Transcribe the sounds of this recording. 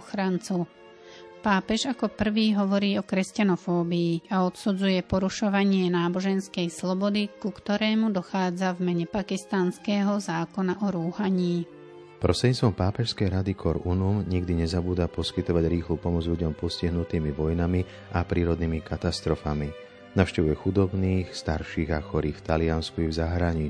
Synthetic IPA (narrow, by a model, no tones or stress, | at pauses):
xɾant͡su | paːpɛʒakɔpr̩ʋiːɦɔʋɔɾiːɔkɾɛscanɔfɔːbiːaɔt̪sud͡zujɛpɔɾuʃɔʋaɲɪɛnaːbɔʒɛnskɛjslɔbɔd̪ikukt̪ɔɾɛːmud̪ɔxaːd͡zavmɛɲɛpakist̪anskɛːɦɔzaːkɔnaʔɔɾuːhaɲiː | pɾɔst̪ɾɛdɲiːt͡st̪ʋɔmpaːpɛʃskɛjɾad̪ikʰɔɾunumɲiɡd̪iɲɛzabuːd̪apɔskit̪ɔʋaɟɾiːxluːpɔmɔd͡zlʎuɟɔmpɔsciɦnut̪iːmiʋɔjnami | apɾiːɾɔd̪niːmikʰat̪ast̪ɾɔfami | naʊʃcɛʋujɛxud̪ɔbniːxst̪aɾʃiːɣaxɔɾiːft̪alianskuivzaɦɾaɲi